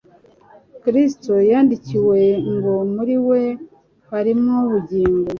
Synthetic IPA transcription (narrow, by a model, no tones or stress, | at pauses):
kɾistojaːndiciwe̞ŋɡo̞muɾiwe̞ | haɾimŋoβuɟiːŋɡo